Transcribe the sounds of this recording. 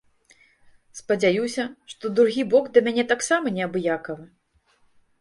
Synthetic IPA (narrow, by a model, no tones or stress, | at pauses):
spɐd͡zʲajusʲɐʂt̪ɔd̪ɾuɣʲibɔɡd̪ɐmʲanʲɛt̪aksamɐnʲɛɐbɨjakɐvɨ